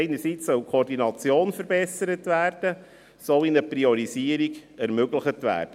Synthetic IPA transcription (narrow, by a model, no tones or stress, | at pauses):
ɪnəsit͡ssœwkʰɔɾdinɑt͡sjoːnfəɾbɛsəɾətʋæːrd̥ə | soinəpriɔɾiziːəɾiɡɛɾmøɡləχətʋæ̰ːɾd̥ə